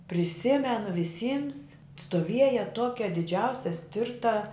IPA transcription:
pʲrʲɪˈsʲɪmʲɛnʊ ʋʲɪˈsʲiːms stoːˈʋʲiɛjɛ ˈtuɔkʲɛ dʲɪˈd͡ʒʲɛʊsʲɛ ˈsʲtʲɪrtɐ

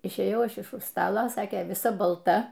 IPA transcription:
ɪʃʲeːˈjɛʊ ˈɐʃ ɪʃ ʊʃ ˈstɑːlˠɐ ˈsɑːkʲeː ʋʲɪˈsɐ bɐlˠˈtɐ

